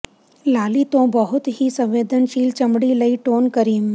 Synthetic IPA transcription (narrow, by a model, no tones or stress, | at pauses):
laːlit̪õːbəɦʊt̪ɦisə̃ʋʋeːd̪ʱənʃiːlt͡ʃɐmɽiləiʈoːnkəɾiːm